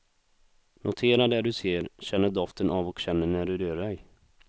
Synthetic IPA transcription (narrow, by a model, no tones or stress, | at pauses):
nʔʊt̪ʰeːɾad̪ɛɖɵseːɾɕɛnːəɖ̪ɔft̪ənʔavɔkɕɛnːəɳæɖɵd̪øːɖɛj